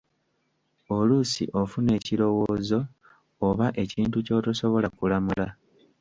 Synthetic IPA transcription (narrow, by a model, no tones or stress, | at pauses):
o̞lusḭʔo̞fune̞ːciɾo̞wo̞ːzo̞ː | βaʔe̞ciːntuco̞ːtoso̞βo̞lakulamula